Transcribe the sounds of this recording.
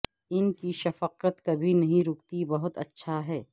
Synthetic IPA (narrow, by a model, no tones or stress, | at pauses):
ɪnkiʃɐfəqət̪kɐbʱinɐɦĩɾʊkt̪ibɐɦʊt̪ɐ̰tːʃʰaɦɛː